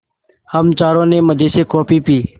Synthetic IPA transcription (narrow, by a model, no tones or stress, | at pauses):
həmt͡ʃaːɾõːneːməd͡ʒ̪eːseːkoːpiːpiː